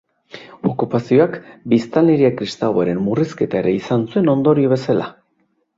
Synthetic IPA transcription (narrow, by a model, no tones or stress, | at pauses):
o̞kupasio̞akbist̪alːeɾiakɾist̪aβaɾe̞mːuriske̞t̪ae̞ɾe̞isansue̞no̞nd̪o̞ɾio̞βe̞sala